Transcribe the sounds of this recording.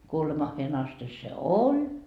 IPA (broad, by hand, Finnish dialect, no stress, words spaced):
kuolemɑhːeːn ɑsti se olʲ